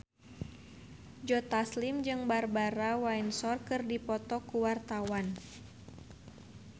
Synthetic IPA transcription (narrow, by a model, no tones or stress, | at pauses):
d͡ʒɔt̪aslimd͡ʒɨŋbarbaɾawainsɔrkɨrdipɔt̪ɔkuwart̪awan